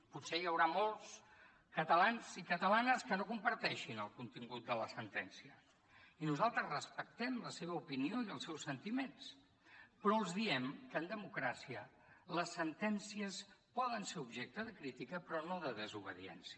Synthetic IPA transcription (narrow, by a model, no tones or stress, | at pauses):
put̪sejəwɾamolˠs | kət̪əlanzikət̪əlanəskənokumpəɾt̪ɛʃinəlˠkunt̪iŋɡut̪̚d̪ələsənt̪ɛnsiə | inuzalˠt̪ɾəzrəspək̚t̪ɛmləseβ̞əupinioiəlˠsɛwsənt̪imens | pɾɔəlˠzðiɛmkəːnd̪əmukɾasiə | ləsːənt̪ɛnsiəspɔðənseɾubʒɛk̚t̪əðəkɾit̪ikəpɾɔnoðəðəzuβ̞əðiɛ̰nsiə